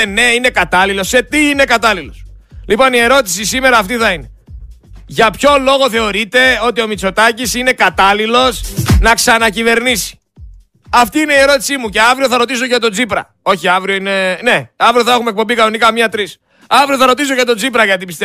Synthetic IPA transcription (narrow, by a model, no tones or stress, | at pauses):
ne̞ine̞kɐt̪ɐlilo̞se̞t̪iine̞kɐt̪ɐlilo̞slipo̞nie̞ɾo̞t̪i̥sisime̞ɾɐːft̪iθɐine̞ | ʝɐpço̞lo̞ɣo̞θe̞o̞ɾit̪e̞o̞t̪io̞mit͡so̞t̪ɐcisine̞kɐt̪ɐlilo̞snɐksɐnɐcive̞ɾnisi̥ | ɐft̪iine̞ie̞ɾo̞t̪i̥simuce̞ɐvɾioθɐɾo̞t̪̬iso̞ʝɐt̪o̞d͡zipɾɐ̰ | o̞çiɐvɾio̞ine̞ne̞ɐvɾioθɐe̞xumek̚pobikɐno̞nikɐmɲɐt̪ɾis | ɐvɾio̞θɐɾo̞t̪is̬oʝɐt̪o̞d͡zipɾɐʝɐt̪̬ipist̪e